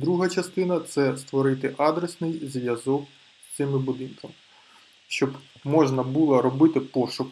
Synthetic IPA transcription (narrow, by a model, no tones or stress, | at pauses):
d̪ɾuɦɐt͡ʃɐst̪ɪnɐt̪sɛst̪ʋɔɾɪt̪ɪʔɑd̪ɾesnɪjzʋʲjɐzɔk | t̪sɪmɪbʊd̪ɪnkɐmɪ | ʃt͡ʃɔbmɔʒnɐbulˠɐɾɔbɪt̪ɪpɔʃʊk